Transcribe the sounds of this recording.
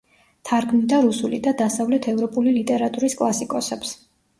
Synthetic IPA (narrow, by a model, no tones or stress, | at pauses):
t̪ʰaɾɡmid̪aɾusulḭd̪ad̪asavlɛt̪ʰɛvɾɔpʼulilit̪ʼɛɾat̪ʼuɾiskʼlˠasikʼɔsɛps